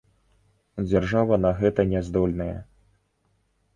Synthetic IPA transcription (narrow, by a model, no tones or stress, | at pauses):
d͡zʲarʐavɐnɐɣɛt̪ɐnʲɛzd̪ɔlʲnɐjɐ̰